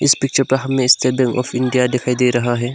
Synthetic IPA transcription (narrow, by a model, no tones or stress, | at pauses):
ɪspɪk̚t͡ʃəɾpɐɦɐmːẽɪst̪eɾbɛ̃ŋkɔ̰ːfɪ̃ɳɖijad̪ɪkʰaːid̪eːɾɐɦaɦɛː